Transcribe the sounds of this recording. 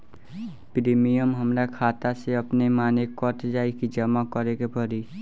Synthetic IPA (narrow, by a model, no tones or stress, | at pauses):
pɾimijəmɦəmɾakʰaːt̪aseəpnemaːnekːɔt̪d͡ʒaːikid͡ʒəmakɔɾekepəɾi